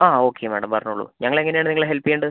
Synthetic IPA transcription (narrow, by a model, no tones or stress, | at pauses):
aːo̞ːkʰːemæ̰ːɽɐmpɐrɐɲːuɭːṵɲɐŋːɐɭe̞ŋːɐnejaːɳɨniŋːɐɭɦelpːijeːɳɖɨ